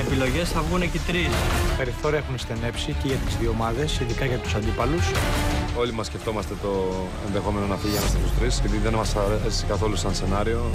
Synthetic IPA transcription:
epilo̞ʝe̞sθɐvɣunecit̪ɾispe̞ɾiθo̞ɾiɐexunst̪ene̞psiceʝɐt̪izðio̞mɐðe̞siðikɐʝɐt̪u̥sɐnd̪ipɐluso̞limɐsce̞ft̪o̞mɐst̪e̞t̪o̞ | e̞nðe̞xo̞me̞no̞nɐfiʝɐmɐst̪et̪ust̪ɾisepiðiðe̞nmɐsɐɾesi̥sekɐθo̞lusɐnse̞nɐɾio̞

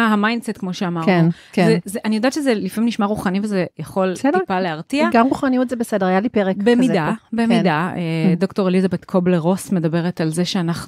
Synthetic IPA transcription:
ɦamajndsetkmo̞ʃeamaʁnun | zezeʔanijodaːtt͡ʃʃezelifamimniʃmaʁuχanivezejaχo̞lsedipaleaʁtiaɡamʁuχanijutzebesedeʁajalipeʁekbemidabemidaedo̞kto̞ʁelizabetkʰo̞bleʁo̞sme̞dabe̞ʁetalzeʃeanaχnu

